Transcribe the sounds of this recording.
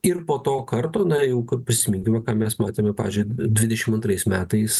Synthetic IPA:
ɪrpoːt̪oːkɐrt̪oːnɐjɛʊkɐppʲɾʲɪsʲɪmʲɪŋʲkʲɪʋɐkɑːmʲɛsmɑːt̪ʲeːmʲɛpɑːʋʲɪzʲd͡ʒʲʊɪd̪ʲʋʲɪd̪ʲɛʃʲɪmɐnt̪ɾɐɪsmʲæːt̪ɐɪs

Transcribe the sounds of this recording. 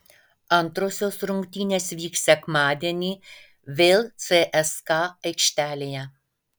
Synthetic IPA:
ʔant̪ɾososɾuŋkt̪ʲinʲɛsviːksɛkmaːd̪ʲɛnʲi | vɪlt͡sɛːʔɛskaɛkʃt̪alija

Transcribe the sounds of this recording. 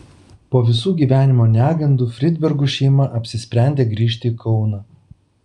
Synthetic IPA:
poːʋʲɪsuːɡʲiːʋʲæːnʲɪmoːnʲæːɡɐnd̪uːfʲɾʲɪd̪ʲbʲɛɾɡuʃʲɛɪmɐʔɐpʲsʲɪsʲpʲɾʲæˑnʲd̪ʲeːɡɾʲiːʃ̬ʲt̪ʲɪːkʰɒʊnɑː

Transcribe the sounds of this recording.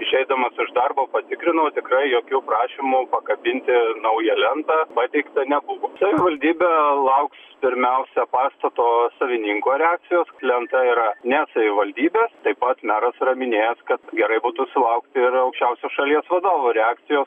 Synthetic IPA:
ɪʃʲɛɪd̪ɐmɐsɪʒd̪ɐrboːpɐt̪ʲɪkɾʲɪnɐoːt̪ʲɪkɾɐɪjoːkʲuːpɾɑːʃʲɪmʊpɐkɐbʲɪnʲt̪ʲɪnɐʊjɛlʲɛnt̪ɑbɑt̪ʲɛɪkt̪ɐnʲɛbʊʋoːsɐʋʲɪʋɐlʲd̪ʲiːbʲɛlˠɐʊkspʲɪɾʲmʲɛʊsʲɛpɑːst̪ɐt̪oːsɐʋʲɪnʲiŋkoːɾʲɛaːk̚tt͡s̪ʲɪjoːslʲɛnt̪ɐiɾɐnʲɛsɐʋʲɪʋɐlʲd̪ʲiːbʲeːst̪ɐɪpɐt̪mʲæːɾɐsɪrɐmʲɪnʲeːjɛskɐt̪ɡʲɛɾɐɪbuːt̪uːsʲɪlˠɐʊkt̪ʲɪɪrɐʊkʃʲt͡ʃʲɛʊsʲoːʃɐlʲiɛsʋɐd̪oːʋuːɾʲɛɑːk̚t̪sʲɪjoːs

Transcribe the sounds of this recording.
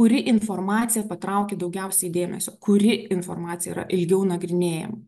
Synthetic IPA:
ʊɾʲɪʔɪnfoːrmɑːt̪sʲɪjɛpɐt̪ɾɐʊkʲed̪ɐʊɡʲɛʊsʲɛɪd̪ʲeːmʲɛ̰sʲoːkʊɾʲɪɪnfo̰rmɑːt̪sʲɪjɛ̰iɾɐ̰ʔɪlʲɡʲɛʊnɐɡɾʲɪnʲeːjɛ̰mɐ

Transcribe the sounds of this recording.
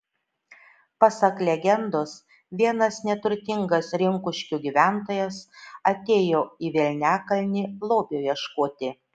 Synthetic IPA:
pɐsɐklʲɛɡʲɛnd̪oːs | ʋʲiɛnɐsnʲɛt̪ʊɾʲt̪ʲɪŋɡɐsɾʲɪŋkʊʃʲkʲuɡʲiʋʲæˑnt̪oːjɛsɐt̪ʲeːjoːiːʋʲɛlʲnʲæːkɐlʲnʲilˠoːpʲjoːjiɛʃkoːt̪ʲɪ

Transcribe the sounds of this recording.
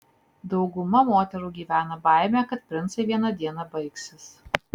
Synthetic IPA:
d̪ɒʊɡʊmɐmoːt̪ʲɛɾuːɡʲiːʋʲæːnɐbɑˑɪmʲækɐt̪̚pʲɾʲɪnt̪sɐɪʋʲiɛnɐd̪ʲiɛnɐbɐɪksʲɪs

